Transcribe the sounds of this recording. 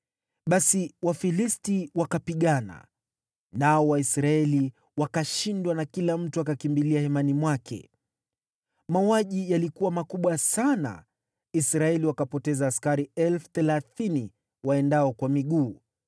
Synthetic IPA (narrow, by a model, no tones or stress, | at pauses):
ɓasiwafilistiwakapiɠana̰ | naɔwaisɾaɛli | wakaʃindwanakilam̩tuakakimbiliahɛmanimwakʰɛ̰ | mauaʄijalikuwamakuɓwasana̰ | isɾaɛliwakapɔtɛzaːskaɾiɛlfu̥θɛlaθini | waɛndaɔkwamiɠuː